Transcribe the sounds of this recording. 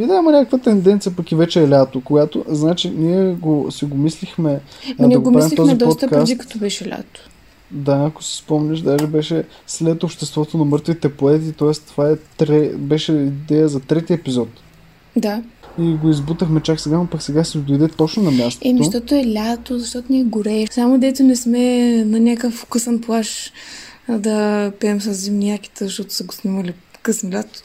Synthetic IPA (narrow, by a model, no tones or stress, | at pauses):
id̪ɛmɐnʲakəkvət̪ɛnd̪ɛnt̪sijəpɐkivɛt͡ʃɛːlʲat̪okoɡat̪o̰znat͡ʃiniɛɡosiɡomislixmɛniɛɡopɾaɛmlit̪ɔzid̪ɔpɔt̪kaszikɐ̥t̪ɔbɛʃɛlʲa̰t̪o̥ | d̪aːko̥si̥spɔmnʲəʃd̪aʒɛbɛʃɛ | slɛt̪opʃt̪ɛst̪vɔt̪onɐmɤɾt̪vit̪ɛpoɛt̪it̪ɔɛst̪ovaɛt̪ɾɛbɛʃɛid̪ɛjəzɐt̪ɾɛt̪iɛpizɔt̪ | d̪aiɡoizbut̪əxmɛt͡ʃaksɛɡanopɐksɛɡasɛd̪ojd̪ɛt̪ɔt͡ʃnonɐmʲast̪ɛmʃt̪ɔt̪oɛlʲat̪ozɐʃt̪ɔt̪onʲiːɡʊɾɛsamod̪ɛt̪ʊnɛsmɛnɐnʲakəfkɤsənplˠaʃ | d̪ɐpɛɛmsɐzːɛmniakʲi̥t̪əzɐʃt̪ɔt̪ʊ̥sɐɡosnʲɛmɐlikəsnlʲat̪o̥